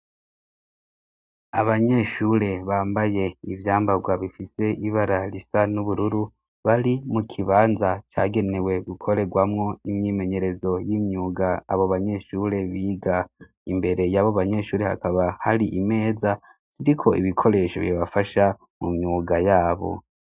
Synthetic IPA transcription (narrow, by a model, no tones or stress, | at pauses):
aβaɲe̞ʃuɾe̞βaːmbaje̞ivjaːmbaɡwaβifise̞ʔiβaɾaɾisanuβuɾuɾu | βaɾimukʰiβaːnzat͡ʃa̰ːɡe̞ne̞we̞ɡukʰo̞ɾe̞ɡwamŋo̞imɲime̞ɲe̞ɾe̞zo̞jiːmɲuːɡaːβo̞βaɲe̞ʃuːɾe̞βiːɡa | imbe̞ɾe̞jaβoβaɲe̞ʃuːɾe̞ha̰kaβahaɾiʔime̞ːza | ziɾikʰo̞ʔḭβikʰo̞ɾe̞ːʃoβiβafaʃa | mṵmɲuːɡajaːβo̞̰